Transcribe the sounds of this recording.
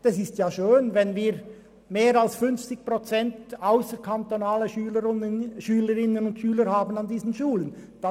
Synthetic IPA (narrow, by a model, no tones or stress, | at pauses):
d̥asɪstjaːʃøːnvɛnviːɾ | meːɾalsfʏnft͡sɪç̚pʁot͡sɛntaʊsəɾkʰantonaːləyəʃyːləɾɪnənʊntʃyːləɾhaːbən̩andiːzn̩ʃuːlənd̥ɑ